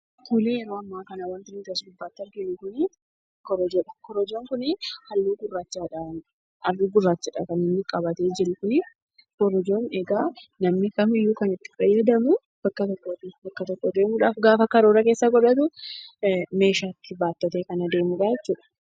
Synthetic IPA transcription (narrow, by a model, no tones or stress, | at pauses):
t̪ʊlijɛɾoːɐmːaːkɐnɐwɐnt̪ɪnɪt̪ɐsɡʊbːaːt̪ːɪɐɾɡɪjʊkʊnɪ | kːɔɾɔd͡ʒɐkɔɾɔd͡ʒoːŋkʊnɪhɐlːuːɡʊrːaːt͡ʃːaːᶑɐ | ɐrːuːɡʊrːaːt͡ʃːaᶑɐkɐnɪnːɪkʼɐbɐt̪e̞ːd͡ʒɪɾʊkʊnɪ | kɔɾɔd͡ʒo̞ːneɡaːnɐmnɪkɐmɪjːuːkɐnɪt̪ːɪ̥fɐjːɐd̪ɐmʊ | b̥ɐkːɐt̪ɔkːoːt̪ɪbɐkːɐt̪ɔkːoːd̪eːmʊᶑaːfɡaːfɐkɐɾoːɾɐke̞ːsːɐɡɔᶑɐt̪ʊ | me̞ːʃaːt̪ːɪbaːt̪ːɔt̪eːkɐnɐd̪e̞ːmʊᶑaːd͡ʒɛt͡ʃːuːᶑɐ̥